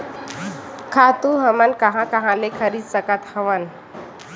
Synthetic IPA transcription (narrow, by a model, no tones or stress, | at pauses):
kʰat̪uɦəmənkəɦãkəɦãlekʰəɾid̪səkat̪həʋən